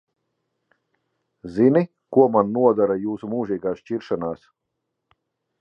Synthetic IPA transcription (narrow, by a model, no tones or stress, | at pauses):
zini | kuɔmanːuɔd̪aɾajuːsumuːʒiːɡaːsʃt͡ʃiɾʃanaːs